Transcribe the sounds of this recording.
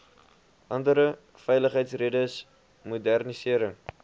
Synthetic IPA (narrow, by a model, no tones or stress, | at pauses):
ʔɐndəɾə | fɛjləχɦəjtsredəs | mudærnisiəɾəŋ